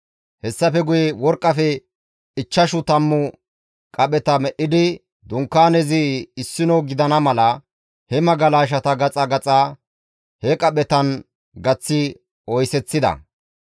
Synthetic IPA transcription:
hɛsːɐfɛɡʊjɛwɔɾkʼːɐfɛ | ɪt͡ʃːɐʃʊt̪ɐmːʊ | kʼɐɓɛt̪ɐmɛʔːɪd̪ɪ | d̪ʊŋkːaːnɛzɪɪsːɪnɔwɡɪd̪ɐnɐmɐlɐ | hɛmɐɡɐlaːʃ̬ɐt̪ɐɡɐt͡sʼɐɡɐt͡sʼa | hɛkʼɐɓɛt̪ɐn | ɡɐt͡sːɪ | ɔjsɛt͡sːɪd̪ɐ̰

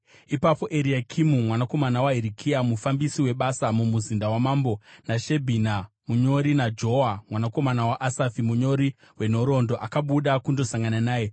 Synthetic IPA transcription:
ipapo̞ʔeɾiakʰimumwanako̞manawaɦiɾikʰiamufambisiwe̞ɓasamumuzindawamaːmbo̞naʃe̞bʱina | muɲo̞ɾinad͡ʒo̞ɦamwanako̞manawaʔasafimuɲo̞ɾi | we̞no̞ɾo̞ndo̞ʔakaɓuɗakundo̞saŋɡananaːje̞

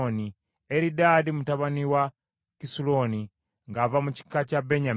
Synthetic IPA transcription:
oni | eɾidaːdimutaβaniwa | kisulo̞ːni | ŋɡavamuci̥kːacabeɲa

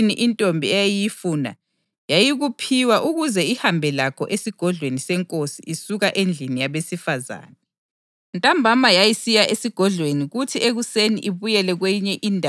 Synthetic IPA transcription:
niʔintʼombʱiɛjajijifuna̰ | jajiɣupʰiwaʔuɣuzɛihambʱɛlakʰɔʔesiɡ̥ʱɔɮwenisɛŋkʼosiisuɣaʔend͡ɮʱinijaβesifaza̰ːna | ntʼambʱamajajisijaʔesiɡ̥ʱɔɮweniɣutʰieɣuseniʔiβujɛlɛɣwɛjiɲɛʔindʱ

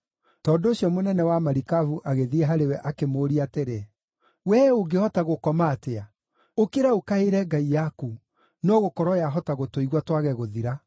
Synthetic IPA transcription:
tɔːndoːɕjɔmonɛnɛwamaɾikavuʔaɣeðiɛɦaɾewɛʔakemoːɾiateɾe | wɛoɡehɔtaɣokɔmaːtea | okeɾaokaeɾɛɡaijaku | nɔɣokɔɾɔjaɦɔtaɣotoiɣwatwaɣɛɣoðiɾa

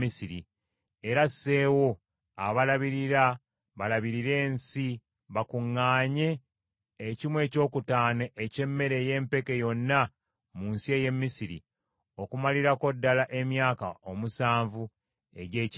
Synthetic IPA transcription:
isiɾi | e̞ɾasːe̞wo̞ | aβalaβiɾiɾa | βalaβiɾiɾe̞ːnsi | βakuŋːaːɲe̞ː | cimwe̞ːco̞ːkutaːneʔːce̞mːe̞ɾe̞je̞ːmpe̞ke̞jo̞nːa | muːnsie̞ːje̞mːisiɾḭ | o̞kumaliɾako̞dːalaʔe̞mjaːkao̞musaːɱvu | e̞ɟe̞ːc

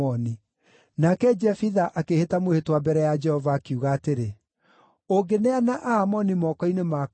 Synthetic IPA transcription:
ɔni | nakɛd͡ʒɛfiðaʔakehetamwehetwabɛɾɛjad͡ʒɛhɔvaːkuɣaːteɾe | oɡeneanaʔaːmɔnimɔkɔinema

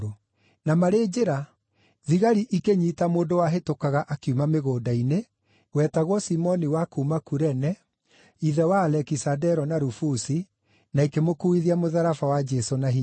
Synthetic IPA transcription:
o | namaɾed͡ʒeɾa | ðiɣaɾiʔikeɲitamoːndowaɦetokaɣaʔakiumameɣoːdaine | wɛtaɣwɔsimɔniwakuːmakuɾɛnɛ | iðɛwaːlɛkisadɛɾɔnaɾufusi | naikemokuiðiamoðaɾafawad͡ʒɛsonaɦi

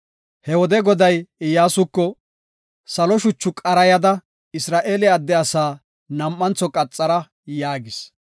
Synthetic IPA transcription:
hɛwɔd̪ɛɡɔd̪ɐjɪjːaːsʊkːɔ | sɐlɔʃʊt͡ʃːʊkʼɐɾɐjɐd̪ɐ | ɪsɾaːʔeːlɛɐd̪ːɛɐsaː | nɐmːɐnt͡sːɔkʼɐt͡sʼːɐɾɐ | jaːɡɪs

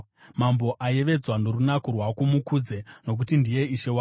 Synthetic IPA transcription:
mambo̞ʔaje̞ʋe̞d͡zwandoɾunakurwakumukud͡ze̞no̞k̬utindije̞iʃe̞wa

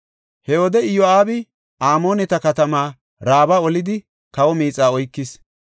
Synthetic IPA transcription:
hɛɔd̪ɛɪjɔaːbɪ | ʔaːmo̞ːnɛt̪ɐkɐt̪ɐmaː | ɾaːbaɔlɪd̪ɪ | kɐwɔmiːt͡sʼaːɔjkːɪs

